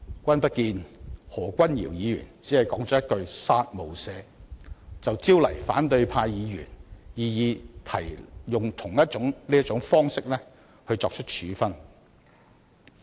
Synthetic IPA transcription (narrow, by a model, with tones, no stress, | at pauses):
kʷɐ˥npɐ˥t̚kiː˧nhɔː˨˩kʷɐ˥njḭ˨˩wjiː˨˧jy̰ː˨˩nt͡siː˨˥hɐ˨jkɔː˨˥ŋt͡sɔː˨˥jɐ˥t̚kɵ˧ɥsaː˥t̚mo˨˩wsɛː˨˧ | t͡sɐ˨wt͡siː˥wlɐ̰˨˩jfa̰ː˨˥nt̪ɵ˧ɥpʰaː˧jjiː˨˧jy̰ː˨˩njiː˨˧jiː˨˧t̪ʰɐ˨˩jjʊ˨ŋt̪ʰʊ˨˩ŋjɐ˥t̚t͡ʃʊ˨˥ŋliː˥jɐ˥t̚t͡ʃʊ˨˥ŋfɔː˥ŋsɪ˥k̚lɛː˥ | hɵ˧ɥt͡sɔː˧k̚t͡ʃʰɵ˥t̚t͡ʃʰyː˨˥fɐ˥n